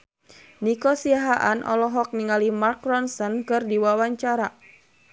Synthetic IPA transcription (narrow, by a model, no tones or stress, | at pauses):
nikɔsiaɦaʔanʔɔ̰lɔɦɔk̚niŋalimark̚ɾɔnsɔnkɨrdiwawaɲt͡ʃaɾa